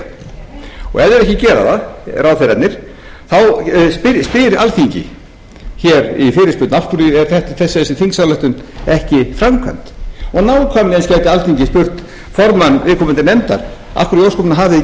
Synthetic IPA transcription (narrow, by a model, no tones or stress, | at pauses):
ɔ̰ɣɛvðɪɾvɛhcɪcɛːɾa̰ðaraːwθeɾat̪nɪɾ̥ | θawspɪspɪɾalθiɲcɪ̰ | çɛɾifɪɾɪspʏt̪nafkʏɾiɛɾ̥θɛht̪ɪ̥θɛsːɪsɪθiŋksawlɛht̪ʏnɛhcɪfɾamkʰa̰nt̪ɔnawkʰamlɪɛnscɛjt̪ɪalθiɲcɪspʏr̥t̪ | fɔɾmanːvɪːðkʰɔmʏnt̪ɪnɛmt̪a̰ɾ̥ | a̰fkɾʏɾjowskɔmnaɦavðɪ